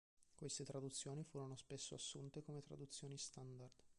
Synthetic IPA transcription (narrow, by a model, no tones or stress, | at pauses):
kwest̪et̪ɾad̪ut̪sːjoːnifuːɾonospesːoasːunt̪ekomet̪ɾa̰d̪ut̪sːjoːnist̪and̪ard̪̥